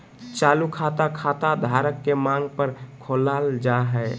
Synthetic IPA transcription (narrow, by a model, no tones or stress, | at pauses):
t͡ʃaːlukʰat̪akʰat̪ad̪ʱaɾəkːemãŋɡ̚pəɾkʰoːlaːld͡ʒaɦɛ